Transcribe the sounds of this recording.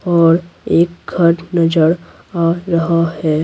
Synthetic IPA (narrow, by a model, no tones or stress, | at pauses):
ɔːɾeːk̚ɡʱɐɾnɐd͡ʒəɾ | aɾɐɦahɛː